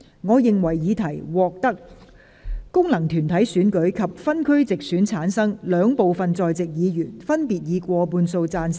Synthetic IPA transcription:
ŋɔː˨˧jɪ˨ŋwɐ˨˩jːiː˨˧t̪ʰɐ˨˩jwɔː˨k̚t̪ɐ˥k̚ | kʊ˥ŋlɐ˨˩ŋt̪ʰyː˨˩nt̪ʰɐ˨˥jsyː˨˥nkɵ˨˥ɥkʰɐ˨p̚fɐ˥nkʰɵ˥ɥt͡sɪ˨k̚syː˨˥nt͡sʰaː˨˥nsɐ˥ŋlœː˨˧ŋpo˨wfɐ˨nt͡sɔː˨jt͡sɪ˨k̚jiː˨˧jyː˨˩nfɐ˥npiː˨t̚jiː˨˧kʷɔː˧puː˧nso˧wt͡saː˧ns

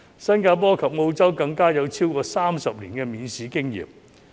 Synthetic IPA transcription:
sɐ˥nkaː˧p̬ɔː˥kʰɐ˨p̚ŋo˧wt͡sɐ˥wkɐ˧ŋkaː˥jɐ˨˧wt͡sʰiː˥wkɔː˧saː˥msɐ˨p̚liː˨˩nkɛː˧miː˨˧nsiː˨˥kɪ˥ŋjḭː˨˩p̚

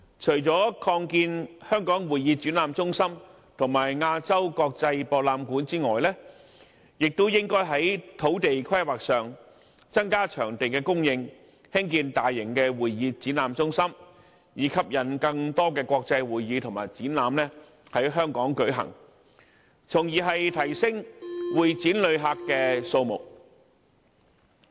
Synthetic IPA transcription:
t͡ʃʰɵ˨˩jt͡sɔː˨˥kʰɔː˧ŋkiː˧nhœː˥ŋkɔː˨˥ŋwuː˨jiː˧t͡sy˨˥nlaː˨˧mt͡sʊ˥ŋsɐ˥m | t̪ʰʊ˨˩ŋmaː˨˩jŋaː˧t͡sɐ˥wkɔː˧k̚t͡sɐ˧jpɔː˧k̚laː˧mkuː˨˥nt͡siː˥ŋɔː˨jlɛː˥ | jɪ˨k̚t̪o˥wjɪ˥ŋkɔː˥jɦɐ˨˥jt̪ʰo˨˥wt̪e˨jkʰwɐ˥jwaː˨k̚sœː˨ŋ | t͡sɐ˥nkaː˥t͡ʃʰœː˨˩ŋt̪e˨jkɛː˧kʊ˥ŋjɪ˧ŋ | hɪ˥ŋkiː˧nt̪aː˨jːɪ˨˩ŋkɛː˧wuː˨jːiː˧t͡siː˨˥nlaː˨˧mt͡sʊ˥ŋsɐ˥m | jiː˨˧kʰɐ˨p̚jɐ˨˩nkɐ˧ŋt̪ɔː˥kɛː˧kʷɔː˧k̚t͡sɐ˧jwuː˨jːiː˨˧t̪ʰʊ˨˩ŋmaː˨˩jt͡siː˨˥nlaː˨mnɛː˥ | hɐ˨˥jɦœː˥ŋkɔː˨˥ŋkɵ˨˥ɦɐ̰˨˩ŋ | t͡sʰʊ˨˩ŋjiː˨˩ɦɐ˨jt̪ʰɐ˨˩jsɪ˥ŋwuː˨jt͡siː˨˥nlɵ˨˧ɥɦaː˧kːɛː˧so˧wmʊ̰˨˩k̚

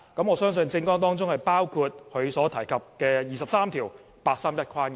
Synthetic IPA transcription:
kɐ˨˥mŋɔː˨˧sœː˥ŋsɵ˧nt͡sɪ˧ŋkɔː˥ŋt̪ɔː˥ŋt͡sʊ˥ŋhɐ˨jpaː˥wkʰuː˧t̚hʰɵ˨˧ɥsɔː˨˥t̪ʰɐ˨˩jkʰɐ˨p̚kɛː˧jiː˨˩sɐ˨psaː˥mt̪ʰiː˨˩w | paː˧t̚saː˥mjɐ˥t̚kʰaː˥nk

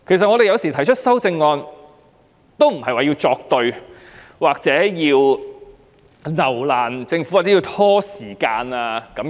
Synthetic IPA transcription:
kʰe˨˩js̬ɐt̚ŋɔː˨˧ɾe˨jɐ˨˧wsi˨˩t̪ʰjt͡ʃʰɵ˥t̚sɐ˥wt͡sɪ˧ŋːɔː˧n | t̪o˥wm̩˨˩hɐ˨jwaː˨jiː˧wt͡sɔː˧k̚t̪ɵ˧ɥ | waː˨k̚t͡sɛː˨˥jiː˧w | nɐ˨˩wlaː˨˩nt͡sɪ˧ŋfu˦˥waː˨k̚t͡sɛ˨˥ji˧wt̪ʰɔː˥siː˨˩kaː˧naː˧kɐ˨˥m

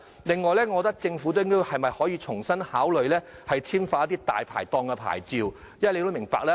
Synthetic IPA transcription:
lɪ˨ŋːɔː˨jlɛː˥ŋɔː˨˧t̪̬ɐ˥k̚t͡sɪ˧ŋfu˨˥t̪o˥ŋkɔ˥hɐ˨jmɐ˨jhɔː˨˥jiː˧t͡sʰʊ˨˩ŋsɐ˥nhaː˨˥wlɵ˨ɥlɛː˥hɐ˨jt͡sʰiː˥mfaː˧˥ɐ˥t̪i˥t̪a̰ː˨jpʰa̰ː˨˩jt̪ɔː˧ŋkɛ˧pʰa̰ː˨˩jt͡siː˨w | jjɐ˥˨le˧t̪o˥wmɪ˨˩ŋpaː˧k̚lɛː˥

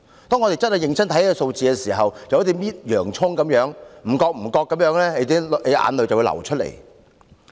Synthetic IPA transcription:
t̪ɔː˥ŋɔː˨˧t̪e˨jt͡sɐ˥n̚hɐ˨jɪ˨ŋt͡sʰɐ˥nt̪ʰɐ˧˥jkɛ˧so˧wt͡siː˨kɛ˧siː˨˩ɦɐ˨wjɐ˨˧wjt̪ʰi˧˥miː˥t̚jœː˨˩ŋt͡sʰʊ˥ŋkɐ˨˥mjœː˨˥ŋm̩˨˩kɔː˧k̚m̩˨˩kɔː˧kːɐ˨˥mjœː˨˥ŋlɛː˥le˨˧t̪i˨˥e˨˧ʔa̰ː˨˧nlɵ˨˧jt͡sɐ˨wuː˧lɐ̰˨˩wt͡ʃʰɵ˥t̚lḛ˨˩j

